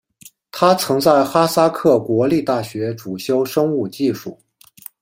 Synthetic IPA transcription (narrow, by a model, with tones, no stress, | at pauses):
t̪ʰa˥t͡sʰɤ˧˥ŋt͡sa˥˩ɪxa˥sa˥kʰɤ˥˩kwɔ˧˥li˥˧t̪a˥˩ɕɥɛ˧˥ʈ͡ʂu˨˩ɕjo˥ʊʂɤ˥ŋu˥˧t͡ɕi˥˧ʂu˥˩